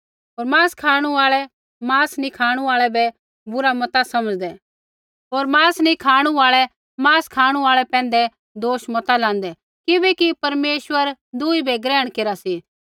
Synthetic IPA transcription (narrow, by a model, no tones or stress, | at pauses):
ɦoːɾmãːskʰaːɽ̃uaːɭɛ | mãːsnikʰaːɽ̃uaːɭɛbɛ | bʊɾamɐt̪asɐməd͡ʒd̪ɛ | ɦoːɾmãːsnikʰaːɽ̃uaːɭɛ | mãːskʰaːɽ̃ũaːɭɛpɛ̃ːn̆d̪ɛ | d̪oːʃmɐt̪alãːn̆d̪ɛ | kɪbɛkipɐɾmeːʃwəɾd̪ʊːibɛɡɾɛːəɽ̃keɾasi